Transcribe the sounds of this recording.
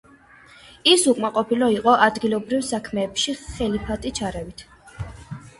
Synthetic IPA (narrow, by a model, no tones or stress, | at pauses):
isukʼmaqʼɔpʰilɔiqʼɔʔad̪ɡilˠɔbɾivsakʰmɛːpʃiχɛlipʰat̪ʼit͡ʃʰaɾɛvit̪ʰ